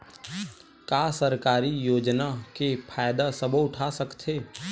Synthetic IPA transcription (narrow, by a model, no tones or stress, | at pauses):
kaːsəɾkaːɾijoːd͡ʒnakepʰaːjd̪asəboʊʈʰasəkt̪ʰeː